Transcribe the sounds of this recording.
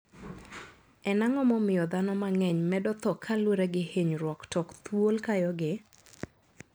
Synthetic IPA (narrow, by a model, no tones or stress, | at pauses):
ɛnaŋɔmɔmɪjɔd̪anɔmaŋɛɲmɛdɔt̪ɔkʰalwoɾeɡɪheɲɾwɔktɔkt̪wolkajɔɡɪ